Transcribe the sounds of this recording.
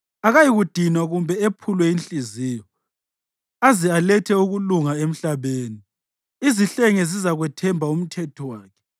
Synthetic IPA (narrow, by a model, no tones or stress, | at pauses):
aɣajiɣud̥ʱinwaɣumbʱɛepʰulwɛint͡ɬʼiziːjɔ | azialɛtʰɛuɣuluŋaem̩ɬaβeːni | iziɬɛŋɛzizaɣwɛtʰɛmbʱaum̩tʰɛtʰɔwaːkʰɛ̥